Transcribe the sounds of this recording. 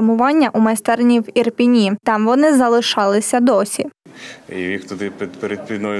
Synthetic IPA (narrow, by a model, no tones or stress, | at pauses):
mʊʋɑnʲːɐʔumɐjst̪ɛrnʲiwirpʲinʲit̪ɑmʋɔnɪzɐlˠɪʃɑlˠɪsʲɐd̪ɔsʲi | ijixt̪ɔd̪ɪp̪peɾed̪̚pʲinɔj